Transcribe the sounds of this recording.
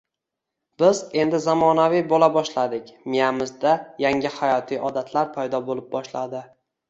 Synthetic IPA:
b̥ɪze̞nd̪ɪzamɒnavijbolabɒʃlad̪ɪkʲmijamɪzd̪ajaŋʲɪhajɒt̪ʰijʔɒd̪at̪ʰlaɾpʰajd̪ɒbolˠɪp̚bɒʃlad̪ɪ

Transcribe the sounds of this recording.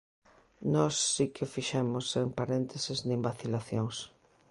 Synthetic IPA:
nɔsːikɪfiʃɛmʊsempaɾent̪esɪznĩmbaθilaθjoŋs

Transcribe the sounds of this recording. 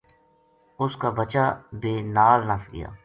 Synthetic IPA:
ʊskaːbət͡ʃaːbeːnaːlnəsɡɪ̰ja̰ː

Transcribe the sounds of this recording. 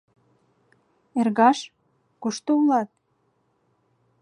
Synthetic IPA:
erɣɑʃ | koʃt̪oulɑt̪̚

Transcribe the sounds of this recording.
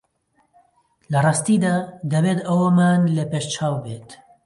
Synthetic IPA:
lɐrˤɑːst̪iːd̪aːd̪ɐbeːt̪ɐwɐmaːnlepeːʃt͡ʃʰaːwbeːt̪

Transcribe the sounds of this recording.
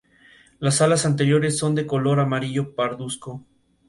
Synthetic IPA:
lasalasant̪̬e̞ɾjo̞ɾe̞sːo̞nd̪e̞ko̞lo̞ɾamaɾiʝo̞paɾðusko

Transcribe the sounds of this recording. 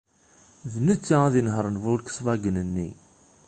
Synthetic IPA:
ðnət͡sːaaðinɦəɾˤnvʊlkə̥sˤvæɡənənːḭ

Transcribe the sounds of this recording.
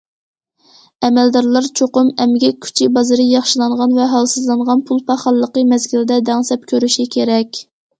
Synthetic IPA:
ɛmɛld̪ɑɾlˠɑɾt͡ʃʰoqʊmɛmɡʲɛk̚ʲʰy̥t͡ʃʰibɑzɨɾɨjɑχʃilˠɑɴʁɑnvɛɦɑlˠsɨzlˠɑɴʁɑnpʰulˠpʰɑχɑlˠːəqəmɛzɡʲild̪ɛd̪ɛŋsɛp̚kʲʰøɾyʃikʲʰeɾɛkʲ

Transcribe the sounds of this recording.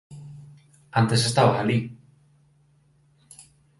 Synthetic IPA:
ant̪esest̪avahali

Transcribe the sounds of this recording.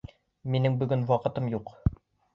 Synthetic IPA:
minɘŋbɵ̆ɡɵnwɑqɤ̆t̪ɤmjuq

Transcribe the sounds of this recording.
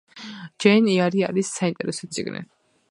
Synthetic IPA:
d͡ʒɛniaɾia̰ɾisːaint̪ʼɛɾɛsɔt̪sʼḭɡnḭ

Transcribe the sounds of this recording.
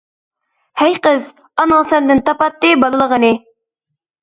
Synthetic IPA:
hæjqəz | ɑnəlˠsɛnd̪ɪnt̪ɑpɑt̪ːɨbɑlˠəlˠəʁənɨ

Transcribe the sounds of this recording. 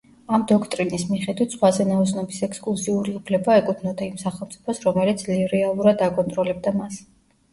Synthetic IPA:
amd̪ɔkʰt̪ʼɾinismiχɛd̪wit̪ʰsχwazɛnaɔsnɔbisɛkskʼlˠusiuɾiupʰlɛbaɛkʼut̪ʰnɔd̪aimsaχɛlˠmt̪sʼipʰɔsɾɔmɛlit̪sʰliɾɛalˠuɾad̪akʼɔnt̪ʼɾɔlɛb̚d̪amas

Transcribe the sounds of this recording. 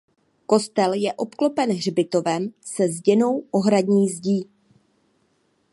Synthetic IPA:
ko̞st̪ɛljɛʔo̞pklo̞pɛnɦr̝bɪt̪o̞vɛmsɛzɟɛno̞wʔo̞ɦɾaɟɲiːzɟiː

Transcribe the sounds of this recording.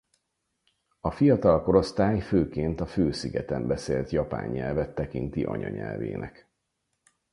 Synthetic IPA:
ɒfijɒt̪ɒlko̞ɾo̞st̪aːjføːkeːnt̪ɒføːsiɡɛt̪ɛmbɛseːlt̪jɒpa̰ːɲːɛlvɛt̪ːɛkint̪iʔɒ̰ɲɒ̰ɲɛlvḛːnʔɛk

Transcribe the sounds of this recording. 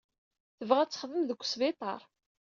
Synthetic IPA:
θəvʁæt͡sːə̥χðəmðəkʷːsvɪt̪ˤɑ̰ɾˤ

